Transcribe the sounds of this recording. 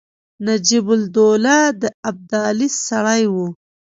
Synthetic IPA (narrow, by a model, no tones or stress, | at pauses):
nad͡ʒibʊld̪olad̪əab̚d̪ɑlissaɽajwu